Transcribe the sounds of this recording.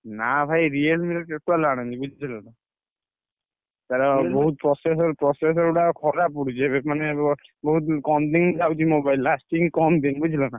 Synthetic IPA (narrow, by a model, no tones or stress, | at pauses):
nabʰʱajɾielmilketalaɽ̃anibud͡ʒʱit͡ʃʰilana | t̪aɾabɔɦut̪̚pɾɔses̬ɔɾpɾɔses̬ɔɾuɽakʰɔɾap̬uɽut͡ʃʰɛbemanebɔɦut̪kɔmd̪iŋd͡ʒawt̪imobajlːasʈiŋkɔmd̪inbud͡ʒʰʱilana